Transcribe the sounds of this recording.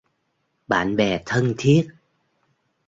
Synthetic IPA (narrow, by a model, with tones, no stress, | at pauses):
ɓa̰ː˧˨nɓɛ˨˩t̪ʰə˧ŋt̪ʰi˦˥ət̚